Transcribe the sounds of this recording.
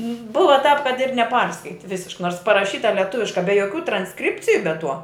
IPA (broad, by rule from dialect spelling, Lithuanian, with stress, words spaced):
ˈbʊʋɐ tɑːp kɐt ɪr nʲɛˈpɐrskɐɪtʲɪ ˈʋʲɪsʲɪʃk noːrs pɐrɐˈʃʲiːtɐ lʲɛˈtʊʋʲɪʃkɐ bʲɛ joːˈkʲuː trɐnsˈkrʲɪpʲt͡sʲɪjʊ bʲɛ ˈtuɔ